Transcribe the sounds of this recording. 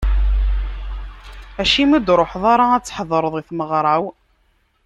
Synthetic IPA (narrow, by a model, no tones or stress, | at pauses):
æʃimid̪ɾˤoħðˤɑɾˤɑæt͡sːħðˤəɾˤəðˤiθməʁɾˤɑw